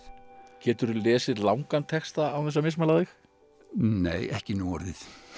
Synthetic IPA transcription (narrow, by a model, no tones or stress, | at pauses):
cɛːt̪ʏɾʏlɛːsɪðlawŋkant̪ʰɛkst̪aawθɛsːamɪs̬malaðɪx | neːjɛhcɪnuːaɾðɪð̥